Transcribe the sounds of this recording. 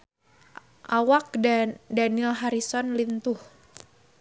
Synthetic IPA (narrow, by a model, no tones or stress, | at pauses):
ʔawak̚danilɦaɾisɔnlint̪uh